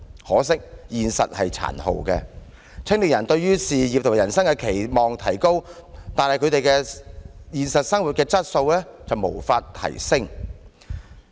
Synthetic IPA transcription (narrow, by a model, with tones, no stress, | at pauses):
hɔː˨˥sɪ˥k̚jiː˨nsɐ̰˨t̚hɐ˨jt͡sʰa̰ː˨˩nho̰˨wkɛ̰˧ | t͡sʰɪ˥ŋlɪ˨k̚jɐ˨˩nt̪ɵ˧ɥɥyː˥siː˨jiː˨p̚t̪ʰʊ˨˩jɐ˨˩nsɐ˥ŋkɛ˧kʰe˨˩jmɔː˨˩ŋt̪ʰɐ˨˩jko˥wt̪aː˨nhɐ˨jkʰɵ˨˧ɥt̪e˨jkɛː˧jiː˨˧nsɐ˨t̚sɐ˥ŋwu˨t̚kɛː˧t͡sɐ˥t̚so˧wlɛ˥t͡sɐ˨wmo̰˨˩wfaː˧t̚t̪ʰɐ̰˨˩jsɪ˥ŋ